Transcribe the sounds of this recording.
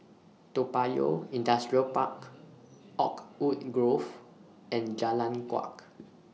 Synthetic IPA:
topajo̰ĩndastɹiəlpak | ɔkut̚ɡɹof | ɛ̃nd͡ʒalãnkwa̰k

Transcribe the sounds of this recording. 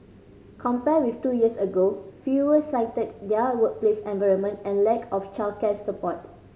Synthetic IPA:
kʰɔ̃mpɛwiftujiəsəɡofuwəsãɪtət̚dɛwək̚plesɛ̃nvaɪə̃nmə̃ntɛ̃nlɛkɔft͡ʃalkɛsːəpɔt̚

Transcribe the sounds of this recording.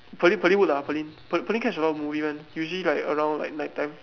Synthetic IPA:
pʰəlĩnpʰəlĩnwutapʰəlĩnpəpəlĩnkʰɛt͡ʃəlɔmuvimãnjuʒəlilaɪkəɹãw̃ndla̰ɪk̚naɪttːãj̃m

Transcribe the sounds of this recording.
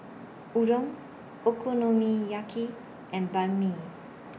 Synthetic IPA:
uɾɔm | okonomijaki | ɛ̃nbalmi

